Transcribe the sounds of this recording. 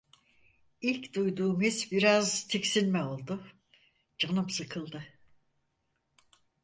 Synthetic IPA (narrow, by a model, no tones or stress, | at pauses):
ilʲcd̪ujd̪uːmisbiɾazt̪ʰecsinmɛo̞lˠd̪ʊ | d͡ʒanɯpsɯkʰɯlˠd̪ɯ